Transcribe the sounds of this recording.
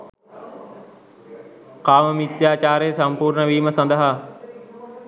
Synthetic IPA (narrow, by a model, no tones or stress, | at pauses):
kaːməmit̪jaːt͡ɕaːɾeːsɐmpuːɾɳəʋiːməsɐnd̪əɦa